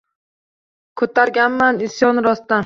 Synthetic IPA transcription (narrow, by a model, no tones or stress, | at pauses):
kʰɵt̪ʰaɾɡʲanmanɪsjɒnɾɒst̪a